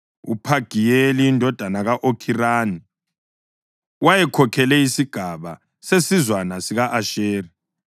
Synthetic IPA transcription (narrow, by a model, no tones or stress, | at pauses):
ṵpʰaɡ̥ʱijeliːndʱɔd̥ʱanaɣaʔokʰiraːni | wajɛkʰɔkʰɛlɛisiɡ̥ʱaβa | sesizwanasiɣaʔaʃeːri